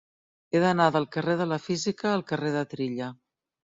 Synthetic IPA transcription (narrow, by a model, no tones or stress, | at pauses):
eðənaðəlˠkəreðələfizikəːlˠkəreðət̪ɾiʎə